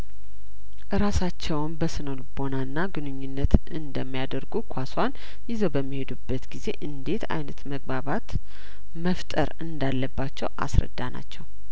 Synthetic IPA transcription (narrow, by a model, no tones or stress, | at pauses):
ʔɨɾasat͡ʃːɛwnbəsɨnolbo̞nanːaɡɨnɨɲːunːət̪ | ɨnd̪əmːijad̪əɾɡukʷʰaswan | jɪzəwbəmːihe̞d̪ubːət̪ɡize̞ʔɨnd̪e̞t̪ʰa̰jnət̪məɡ̚baβat̪ | məft̪ʼə̰ɾɨnd̪alːəbːat͡ʃːɛwʔa̰sɾə̰d̪ːana̰t͡ʃːɛw